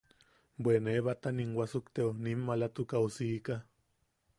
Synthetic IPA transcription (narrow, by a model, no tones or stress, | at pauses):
bweneβat̪aniŋwasukt̪eunimːalat̪ukausiːka